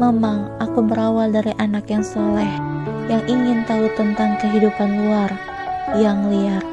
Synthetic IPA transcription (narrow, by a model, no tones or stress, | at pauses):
memaŋʔakubəɾawaldaɾiʔanakjaŋsolɛhjaŋʔiŋɪnt̪aut̪ənt̪aŋkəɦidupanluar | jaŋliar̚